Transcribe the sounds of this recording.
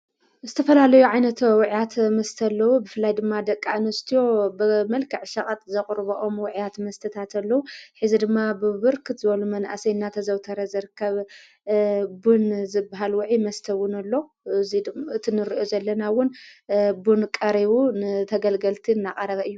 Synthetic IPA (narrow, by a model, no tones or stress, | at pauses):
zɨt̪ʰɐfɐlalɐjuʕajnɐt̪wʊʕjat̪mɐst̪ʰɐlːɐwubɨfɨlːajd̪ɨmːad̪ɐkʼːanɐst̪ʰijo̞bɨmɐlkʰɨʕʃɐkʼat̪ʼzɐχʼɾbɐʔo̞mwʊʕjat̪mɐst̪ʰɐt̪ʰat̪ɐlːɐwuħɨzid̪ɨmːabɨβɨɾkʰɨt̪zɨβɐlumɐnʔa̰sɐjnːat̪ʰɐzɐwt̪ʰɐɾɐzɨɾɨkʰːɐβ | bunzɨbːaɦalwʊʕimɐst̪ʰɐwʊnɐlːo̞ | ziɨt̪ʰinɨɾɨʔozɐlːɐnawʊnbunkʼɐɾiβunɨt̪ʰɐɡɐlɡɐlt̪ʰiɨnːaχʼɐɾɐβɐɨjːu